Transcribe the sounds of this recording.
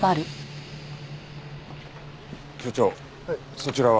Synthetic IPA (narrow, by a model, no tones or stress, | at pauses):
aɾɯ | ɕot͡ɕoː | so̞t͡ɕiɾaβ